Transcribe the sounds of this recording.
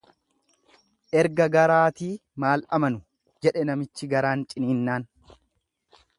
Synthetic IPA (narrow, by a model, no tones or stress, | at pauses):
ʔɛɾɡɐɡɐɾaːt̪iːmaːlɐ̰mɐnʊ | d͡ʒɛᶑɛnɐmɪt͡ʃːɪɡɐɾaːnt͡ʃʼɪniːnːaːn